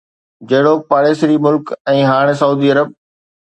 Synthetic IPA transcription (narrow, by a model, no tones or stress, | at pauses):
d͡ʑɐɦɪɽopaːɾeːsɾimʊlkɛ̃ːɦaːɽ̃sɐuːd̪iːɐɾəb̚